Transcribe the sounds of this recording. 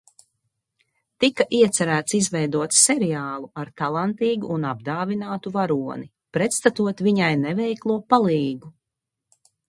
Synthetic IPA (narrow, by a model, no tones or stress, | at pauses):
t̪ikaʔiɛt̪sɛɾæːt̪sizvɛjd̪uɔt̪ssɛɾiaːlˠuaɾt̪alˠant̪iːɡuʔːnab̚d̪aːvinaːt̪uvaɾuɔni | pɾɛt̪st̪at̪uɔt̪viɲajnɛvɛjklˠuɔpalˠiːɡu